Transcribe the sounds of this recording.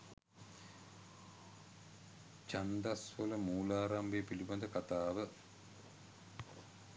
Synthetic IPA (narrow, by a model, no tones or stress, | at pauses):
t͡ʃand̪asʋələmuːlaːɾambeːpilibad̪əkat̪aːʋə